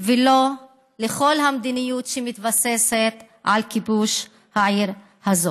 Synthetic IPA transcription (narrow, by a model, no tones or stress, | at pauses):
velo̞ | leχo̞lɦamd̪inijutʃemit̪vase̞set̪ | ʔalkibuʃ | haʕiʁ | hazo